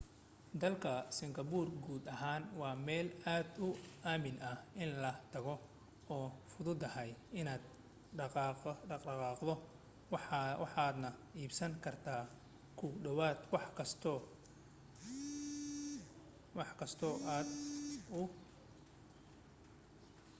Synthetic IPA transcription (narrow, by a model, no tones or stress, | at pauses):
d̪ɐlkʰɐsɪŋɡɐbuːrɡuːd̪ɐɦaːnwɑːmɛːlaːd̪ʊaːmɪnɐʔɪnlɐt̪ʰɐɣɔ | ɔːfʊðʊd̪ɐhɛjɪnaːd̪ | ɑqɑːqdɔ | wwɑħaːd̪nɐiːbsɐŋkʰɐrt̪ʰaː | kʰʊɖɐwaːd̪wɑħkʰɐst̪ʰː | wɑħkʰɐst̪ʰɔːʔaːd̪ʊ